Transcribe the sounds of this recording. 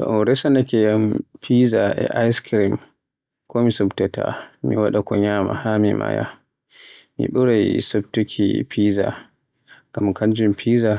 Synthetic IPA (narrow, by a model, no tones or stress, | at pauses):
tɔ̰ʔnɾɛsanakɛjampʰizaʔɛ̰ʔajskɾim | kɔmisubtɛtʰa̰miwaɗakɔɲaːma̰hamima̰ja̰ | mḭɗuɾajsobtukʰḭpʰiːza̰ | ɡ̥amkand͡ʒumpʰiza